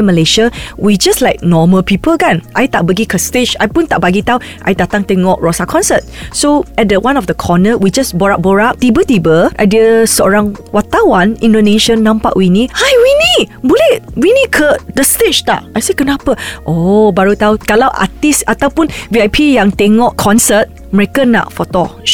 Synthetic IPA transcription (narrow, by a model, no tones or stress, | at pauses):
məleʃəwid͡ʒaslajk̚nɔməlpipəlkãnʔajt̪aʔ̚bəɡikʰəstet͡ʃajpũnt̪aʔ̚baɡit̪aw | ʔa̰jdat̪ãŋt̪ɛŋɔʔ̚ɹɔsakʰɔ̃nsət̚soɛt̚dəwãnɔfdəkʰɔnəwid͡ʒasbɔɹap̚bɔɹap̚t̪ibət̪ibəʔa̰jdiəsɔɹãŋwat̪awãnĩndoneʃə̃nːãmpa̰ʔwinihajwinibulewinikʰədəstet͡ʃt̪a̰ʔajsekənapəʔobaɹut̪awkalawʔa̰t̪isat̪awpũnbiajpʰijãŋt̪eŋɔʔkʰɔ̃nsət̚ | mɹekəna̰ʔfɔt̪ɔ